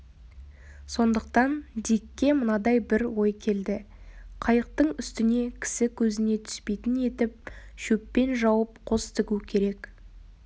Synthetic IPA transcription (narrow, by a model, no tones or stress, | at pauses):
so̞nd̪əq̚t̪ɑnd̪ikʲːe̞mənɑd̪ɑjbɪɾwo̞jkʲʰe̞ld̪ɪ | qʰɑjəq̚t̪əɴʏst̪ɪne̞kʲʰɪ̥sɪkʲʰɵzɪne̞t̪ʰʏ̥spe̞jt̪ɪne̞t̪ɪp̚ʃɵpːe̞nʒɑwəp̚qʰo̞st̪ʰɪɡʲukʲʰe̞ɾe̞k